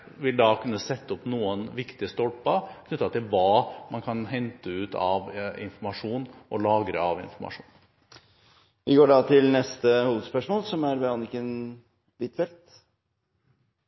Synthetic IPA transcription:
ʋɪld̪ɑkʰʉnːəsɛt̪ːəɔpnuːənʋɪkt̪ɪəst̪ɔlpəkʰnʏt̪ːɑt̪ɪlʋɑːmɑnkʰɑnɦɛnt̪əʉːt̪ɑ̰ʋɪ̰nfɔɾmɑʂuːnʔɔlɑːɡɾə̰ɑʋɪ̰nfɔɾmɑ̰ʂuːn | ʋɪɡoːɖɑt̪ʰɪlnɛst̪əhuːʋəd̪spœʂmoːlsɔmæɾbɛɑnɪkən | bɪt̪fɛlt̪

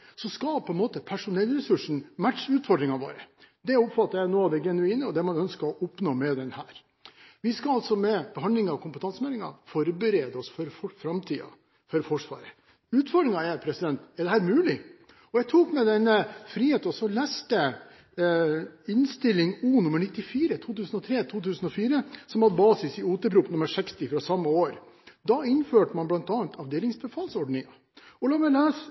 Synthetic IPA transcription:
sɔskɑpʰɔɛnmoːt̪əpʰæʂʊnɛlːɾɛsʉʂɳ̩mæʈʂʉːt̪fɔɾɖ̪ɾɪŋɑʋo̰ːɾəd̪ɛʊpfɑt̪ːɑjæɪnoːɑʋd̪ɛɡɛnʉiːnəɔd̪ɛmɑnœnskəɾɔʔɔpnoːmɛd̪ɛnhæːɾ | ʋɪskɑɑlt̪sɔmɛb̥əɦɑnd̪lɪŋɑkʰʊmpət̪ʰɑnsəmɛːlɪŋɑ̰fɔɾbəɾeːd̪əɔsfɔɾfɔfɾɑmt̪ʰiːɑ̰ | fɔɾfɔʂʋɑ̰ːɾə | ʉːt̪fɔɖ̪ɾɪŋɑɛɾpʰɾɛsɪd̪ɛnt̪ɛɖ̪ɛhæːɾmʉːlɪ | ɔjæɪt̪ʰuːkmɛd̪ɛnːəfɾiːheːt̪ɔsɔlæːst̪ə | ɪnst̪ɪlːɪŋuːnʉmːəɳɪt̪ːɪfiːɾət̪ʰuːt̪ʉːsn̩ɔt̪ʰɾeːt̪ʰuːt̪ʉːsən̩ɔfiːɾəsɔmɑt̪bɑːsɪsɪuːt̪əɾpʰɾuːpnʉməɾʂɛkst̪ɪfɾɑsɑmːəoːɾ | d̪ɑɪnføːʈəmɑnblɑnt̪ɑːɑnt̪ʰɑʋd̪eːlɪŋsbəfɑːlsɔɖɳɪŋɑ | ɔlɑːmɛleːs

